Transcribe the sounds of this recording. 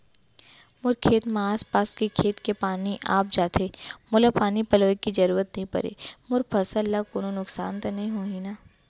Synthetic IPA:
mʊɾkʰeːt̪maːspaːskekʰeːt̪kepaːniʔa̰ːp̚d͡ʒaːt̪eːmʊlapaːnipɐloːekid͡ʒɐɾuːɾət̪nɐɦĩpɐ̰ɾḛːmʊɾpʰɐsəlːakoːnonʊksaːnt̪anɐɦĩɦoːɦinaː

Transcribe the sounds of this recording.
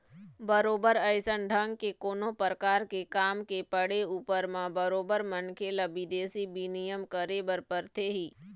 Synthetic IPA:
bəɾoːbəɾəɪsənɖʱə̃ŋɡ̚kekoːnõpɾəkaːɾkekaːmkepəɽeuːpəɾmãbəɾoːbəɾmənkʰelɐbid̪eːsibinijəmkəɾeːbəɾpəɾt̪ʰeɦiː

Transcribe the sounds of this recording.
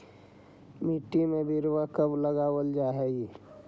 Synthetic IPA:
miʈːimẽbiɾwakəbləɡaːwəld͡ʒaːɦɛːɡi

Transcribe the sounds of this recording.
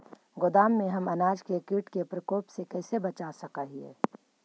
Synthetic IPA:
ɡʊd̪aːmːẽɦɐmɐnaːd͡ʒkekiʈkepɾəkoːpsekɛːsebɐt͡ʃasɐkaɦiɛ̰ː

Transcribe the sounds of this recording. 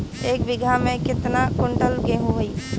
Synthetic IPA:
eːk̚bɪɡʱamẽkɪt̪nakʊɳɖəlɡẽɦũɦəi

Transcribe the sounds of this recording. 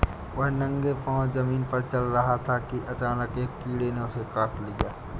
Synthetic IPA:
ʋɐɦnɐ̃ŋɡepãːzɐmiːnpɐɾt͡ʃɐlɾɐɦat̪ʰakiʔɐt͡ʃaːnəkeːkiːɽeneʊsekaːʈlijaː

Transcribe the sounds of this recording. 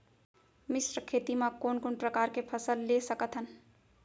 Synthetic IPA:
misɾəkʰet̪imãkonkonpɾəkaɾkepʰəsəlːesəkət̪ɦən

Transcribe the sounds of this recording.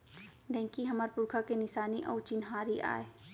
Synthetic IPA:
ɖɛ̃ːŋkiɦɐmaːɾpʊɾkʰakenɪsaːniʔɔːɾt͡ʃɪnɦaːɾiʔa̰ːe

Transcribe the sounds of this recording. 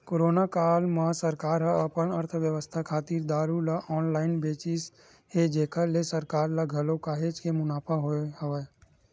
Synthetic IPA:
koːɾoːnakaːlmasəɾkaːɾɦəɐpənəɾt̪ʰʋjəʋəst̪ʰakʰaːt̪iːɾd̪aːɾulaʔɔːnlaːɪnbeːt͡ʃɪs | hed͡ʒeːkʰəlesəɾkaːɾlaɡʱəlokaːɦet͡ʃkemʊnaːpʰaɦoeɦəʋe

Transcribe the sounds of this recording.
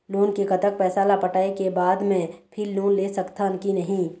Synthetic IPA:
loːnkekɐt̪ək̚pɛːsaːlapɐʈaːekebaːd̪mẽpʰilːoːnleːsɐkt̪aʊnkinɐɦĩː

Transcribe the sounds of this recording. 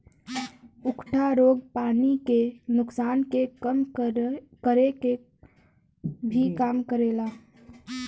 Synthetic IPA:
ʊkʈʰaɾoːɡpaːnikenʊksaːnkeəm | kəɾeke | bʱikaːmkəɾeːla

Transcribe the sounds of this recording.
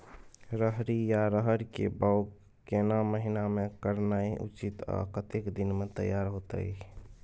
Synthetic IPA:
ɾəɦɾijaɾəɦəɾkḛbaʊk | kenaməɦinamekəɾnaiʔṵt͡ʃit̪a̰kət̪ekd̪inmet̪ə̰jːaɾɦot̪ə̰

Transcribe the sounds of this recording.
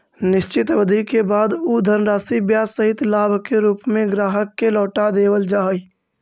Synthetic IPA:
nɪʃt͡ʃɪt̪ʋəd̪ʱikebaːd̪ud̪ʱəɾnɾaːsibjaːsəɦɪt̪laːbʱkeɾuːpmẽɡɾaːɦəkːelɔːʈad̪eːwəld͡ʒaːɦj

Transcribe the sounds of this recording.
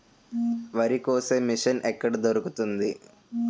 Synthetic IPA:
ʋɐɾikoːsemːiʂɐnʔɛkːɐɽid̪oɾukut̪und̪i

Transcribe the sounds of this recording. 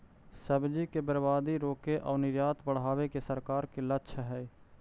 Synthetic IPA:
səbd͡ʒikebəɾbaːd̪iɾoːkeʔɔːɾnɪɾjaːt̪bəɽ̤aːʋekesəɾkaːɾkelətːʃʰɦɛː

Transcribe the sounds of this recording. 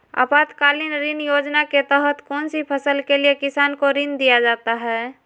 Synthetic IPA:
a̰ːpaːt̪kaːlinɾɪnjoːd͡ʒnaket̪ɛɦət̪kɔːnsipʰəsəlkeliekɪsaːnkoɾɪnd̪ijad͡ʒaːt̪aɦɛː

